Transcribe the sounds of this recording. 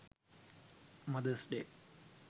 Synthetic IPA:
mɐd̪əsɖeː

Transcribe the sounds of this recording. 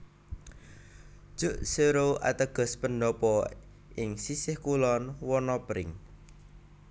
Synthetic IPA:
d̥ʒ̥ʊ̤ʔseɾoʔa̰t̪əɡ̥ɔ̤spənɖɔpɔ | ʔɪŋsisɪhkulɔnwɔnɔpɾɪ̰ŋ

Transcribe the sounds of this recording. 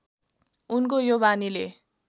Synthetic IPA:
unk̬ojobanile

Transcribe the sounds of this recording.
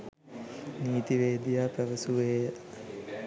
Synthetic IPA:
niːt̪iʋeːd̪ijaːpæʋəsuʋeːə

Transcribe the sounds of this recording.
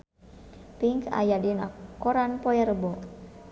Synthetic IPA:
piŋka̰jadinakoɾanpɔjɛɾəbɔ

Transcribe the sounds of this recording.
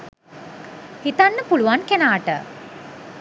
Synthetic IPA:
hit̪anːəpuluʋankænaːʈə̰

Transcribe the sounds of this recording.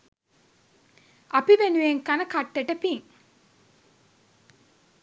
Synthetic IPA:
apiʋenujeŋkanəkaʈːeʈəpiŋ

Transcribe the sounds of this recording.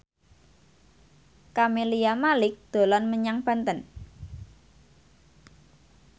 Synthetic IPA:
kamelijamalɪk̚d̪̥o̤lɔnməɲaŋb̥a̤nt̪ən

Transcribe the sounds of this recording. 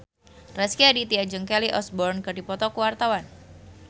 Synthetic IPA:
raskiadit̪iad͡ʒəŋkɛliʔɔsbɔrnkərdipɔt̪ɔkuwart̪awan

